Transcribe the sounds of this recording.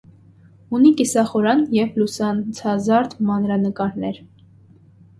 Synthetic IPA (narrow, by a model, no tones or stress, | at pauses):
unikisɑχɔɾɑnjɛvlusɑnt͡sʰɑzɑɾt̪mɑnɾɑnəkɑɾnɛɾ